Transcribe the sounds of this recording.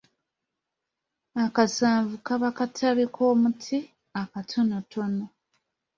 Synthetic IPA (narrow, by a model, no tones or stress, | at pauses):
akasaːvukaβakatʰaβikʰo̞ːmutʰi | akatʰonotʰono